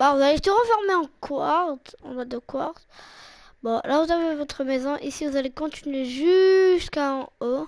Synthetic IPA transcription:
bavuzalet̪əʁəfɔʁmeɑ̃kʰwaʁt̪ɑ̰̃d̪ad̪əkwa̰ʁt̪ | bɔ̃lavuzavevɔt̪χəmɛzɔ̃ʔisivuzalekɔ̃t̪inɥeʒyst̪kão

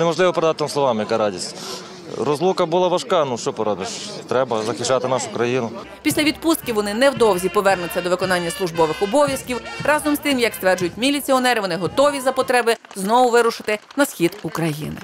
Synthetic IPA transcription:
nemɔʒlɪʋɔpɾed̪ɑt̪ɪnamsˠɔʋɑmjɐkɑɾɑdʲisʲtʲ | ɾɔzlˠukɐbʊlˠɑʋɐʃkɑnuʃt͡ʃɔpɔɾɔbɪʃt̪ɾɛbɐzɐxɪt͡ʃːɑt̪ɪnɑʃʊkɾɐjinʊ | pʲisʲlʲɐʋʲid̪pust̪kʲiwʋɔnɪnɛwd̪ɔwzʲipɔʋɛrnʊt͡sʲːɐd̪ɔʋɪkɔnɑnʲːɐslˠʊʒbɔʋɪxɔbɔʋʲjɐskʲiwrɑzɔmst̪ɪmjɐkst̪ʋɛrd͡ʒʊjʊtʲmʲilʲit͡sʲiɔnɛɾɪʋɔnɪɦɔt̪ɔʋʲizɐpɔt̪ɾɛbɪ | znɔʋʊʋɪɾʊʃɪt̪ɪnɐsxʲid̪ukɾɐjḭnɪ̰

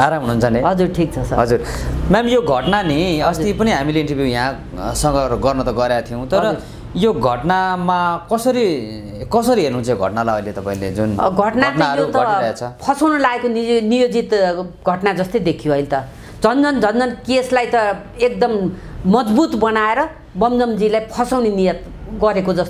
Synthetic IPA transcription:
aɾamɦunɦunt͡sʰʌneɦʌd͡zurʈʰik̚t͡sʰʌsʌɦʌd͡zurmɛmjoɡʱʌʈnaniʌst̪ipʌniɦamileiɳʈʌrbjujã | sʌŋɡʌɡʌrnʌt̪ʌɡʌɾjat̪ʰijow̃t̪ʌɾʌ | joɡʱʌʈnamakʌsʌɾi | kʌsʌɾiɦernuɦunt͡sʰʌjoɡʱʌ̰ʈnalaʌilet̪ʌpãĩlḛd͡zun̰ɡʱʌʈnat̪aʌɾot̪ʌaɾʌjat͡sʰʌpʰʌsawnʌlaɡekoninijod͡zit̪ɡʱʌʈnad͡zʌst̪ʌjd̪ekʰijoɦʌjlet̪ʌ | d͡zʌnd͡zʌnd͡zʱʌnd͡zʌnkeslajt̪ʌ | ek̚d̪ʌmmʌd͡zbut̪bʌnaeɾʌ | bʌmd͡zʌmd͡zilajpʰʌsawnenijʌt̪ | ɡʌɾekod͡zʌst̪

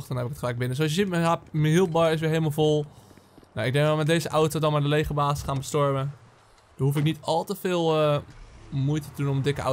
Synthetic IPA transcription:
xdɔnɦɛpɪkətχəlɛjk̚bɪnəsoɔsjəsitməaməɦilˠp̚bɑɹɪs̬ʋɪɹɦejləmalˠvolˠnaɪɡdɛŋɡɔmɛtdejzəʔɔwtodɔnmadəlejχəɹbaːsɪsχaːnbəstɔɹmə | d̥ɔɦuf̬ɪknitɑlˠtəfɪːlˠ | mujtətədunɔmədɪkəa̰

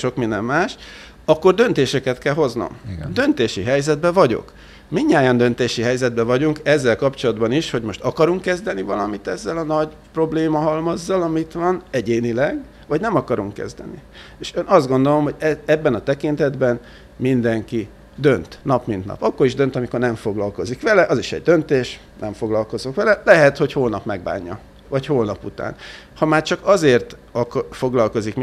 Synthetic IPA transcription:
ʃo̞kmind̪ɛmːaːʃ | ɒkːo̞rd̪ø̞nt̪eːʃɛkɛt̪kɛlɦo̞zno̰md̪ø̞nt̪eːʃiɦɛjzɛd̪bɛvɒɟo̞̰k | miɲːaːjɒnd̪ø̞nt̪eːʃiɦɛjzɛd̪bɛvɒɟuŋkɛzːɛlkɒpt͡ʃo̞lɒd̪bɒniʃho̞ɟmo̞ʃt̪ɒkɒɾuŋkːɛzd̪ɛnivɒlɒmit̪ɛzːɛlɒnɒɟ | pro̞bleːmɒɦɒlmɒzːɒlɒmit̪ʋɒnɛɟeːnilɛɡ | vɒɟnɛmɒkɒɾuŋkːɛ̰zd̪ɛ̰ni | eːʃenɒzd̪ɡo̞nd̪o̞lo̞mɦo̞ɟɛɛbːɛnɒt̪ɛkint̪ɛd̪bɛn | mind̪ɛŋki | d̪ø̞nt̪nɒpmint̪nɒ̰pɒkːo̞ɾiʒd̪ø̞nt̪ɒmiko̞rnɛɱfo̞ɡlɒlko̞zikʋɛlɛʔɒziʃɛ̰ɟ̚d̪ø̞nt̪eːʃ | nʔɛɱfo̞ɡlɒlko̞zokʋɛlɛlɛɦɛt̪ho̞choːlnɒpmɛɡba̰ːɲːɒ̰ | vɒchoːlnɒput̪a̰ːn | hɒmaːrt͡ʃɒkɒzeːrt̪ɒkfo̞ɡlɒlko̞zikm

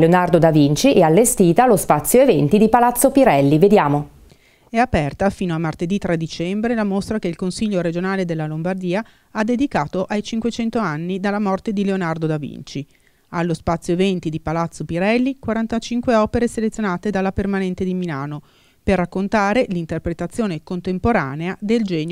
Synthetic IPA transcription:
leonard̪od̪avint͡ʃiʔɛalːest̪iːt̪alospat̪sːjoevɛnt̪id̪ipalat̪sːopiɾɛlːived̪jaːmo | ɛapɛrt̪afiːnoamːart̪ed̪it̪ɾad̪it͡ʃɛmbɾelamost̪ɾakeilkonsiʎːoɾed͡ʒonaːled̪elːalombard̪iːa | ad̪ːed̪ikaːt̪oʔajt͡ʃiŋkwet͡ʃɛnt̪oanːid̪alːamɔrt̪ed̪ileonard̪od̪avḭnt͡ʃi | alːospat̪sːjoevɛnt̪id̪ipalat̪sːopiɾɛlːikwaɾant̪at͡ʃiŋkweɔːpeɾeselet̪sːjonaːt̪ed̪alːapermanɛnt̪ed̪imilaːno | perːakːont̪aːɾelint̪erpɾet̪at̪sːjoːnekont̪empoɾa̰ːnead̪eld͡ʒɛːɲ

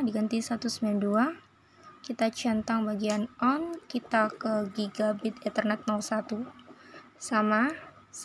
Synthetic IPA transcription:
diɡant̪isat̪usəmbilandua | kit̪at͡ʃant̪aŋbaɡianɔnkit̪akəɡiɡabɪt̪int̪ərnɛt̪̚nɔlsat̪u | sama

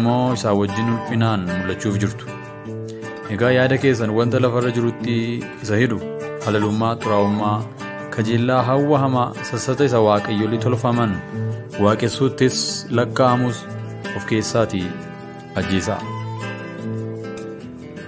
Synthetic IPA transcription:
mːo̞ːɪsaːwɐd͡ʒːɪnhʊlfɪnaːnmʊlːɐt͡ʃːuːfd͡ʒɪɾt̪ʊ̥ | ʔɛɡaːjaːd̪ɐke̞ːs̬ːɐnwɐnt̪ɐlɐfɐrːɐd͡ʒɪɾʊt̪ːɪ | ɪsɐhɪd̪ʊhɐlɐlʊmːaːt̪ʼʊɾaːʊmːaː | kʰɐd͡ʒɛlːaːɦɐwːɐɦɐmaːsɐsɐt̪ɐɪsɐwaːkʼɐjːɔlːɪt̪ɔlfɐmɐnwaːkʼɛsːuːt̪ːɪslɐkːaːhɐmʊs | ɔfke̞ːsːaːt̪ɪ | ɐd͡ʒːeːsɐ̰

